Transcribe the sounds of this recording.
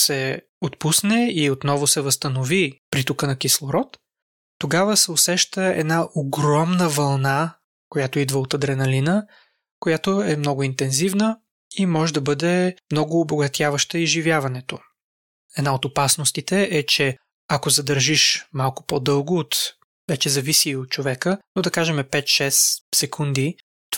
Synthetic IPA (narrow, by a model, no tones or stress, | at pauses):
sɛ | ot̪pusnɛiot̪nɔvʊsɛvəst̪ɐnovipɾit̪ukənɐkislˠoɾɔt̪ː | oɡavəsɛosɛʃt̪əɛ̰d̪naʔoɡɾɔmnəvɐlˠna | kojat̪oid̪vəot̪ɐd̪ɾɛnɐlinə | kojat̪oɛmnɔɡʊint̪ɛnzivnə | imɔʒɛd̪ɐbɤd̪ɛmnɔɡʊːboɡɐt̪ʲjavəʃt̪əiʒivjavɐnɛt̪o | ɛd̪naot̪opasnost̪it̪ɛʔɛt͡ʃɛ | akozɐd̪ɐɾʒiʃmalˠkʊ̥pɔd̪ɤlˠɡʊːt̪ | vɛt͡ʃɛzɐvisiot̪̚t͡ʃovɛkənod̪ɐkaʒɛmɛpɛt̪ʃɛssɛkʰund̪i | t̪